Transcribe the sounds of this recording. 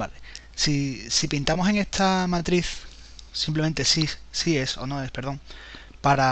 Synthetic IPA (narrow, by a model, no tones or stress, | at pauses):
bale | sisipint̪amo̞se̞ŋe̞ht̪ʰamat̪ɾiθ | simp̬lemẽ̞nt̪e̞sisie̞so̞̰no̞e̞spe̞ɾðo̞ŋ | paɾa